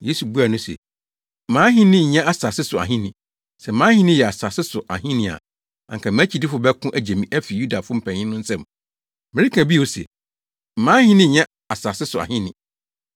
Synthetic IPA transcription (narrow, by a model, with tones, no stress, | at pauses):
je˦su˨bu˦a˨nʊ̃˦sɛ̰˨ | mãː˨˦ɦɪ̃˦nɪ̃˦˨ɲɛ̃˦ʔa˨sa˨sɪ˦sʊ˨a̰˨ɦĩ˦nɪ̃˨ | sɛ˨˦mãː˦hɪ̃˦nɪ̃˦jɛ˨a˨sa˨sɪ˦sʊ˨ʔa˨ɦĩ˦nɪ̃˨a̰˨ | ã̰˨ŋkʰã˨mæ̃˦t͡ɕʰi˨di˦fʊ˨bɛ˦kʰʊ̃˦ʔæ˨d͡ʑe˨mĩ˨ʔæ˦fi˨ju˦da˨fʊ˦m̩˨pʰæ̃˨ɲɪ̃˦nʊ̃˦n̩˦sɛ̃˦˨m | mɪ̃˨ɾi˦kʰã˨bi˦o˦sɛ̰˨ | m̩˨mãː˦hɪ̃˦nɪ̃˦˨ɲɛ̃˦ | a˨sa˨sɪ˦sʊ˨a̰˨hɪ̃˦nɪ̃˨